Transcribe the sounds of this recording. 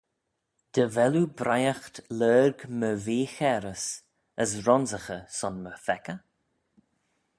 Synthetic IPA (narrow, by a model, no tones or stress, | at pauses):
d̪̥əvɛlubɾʔajaxt̪lɜːɾɡməveːxɛɾəs | əsɾɔnzəxəsɔnməfɛkə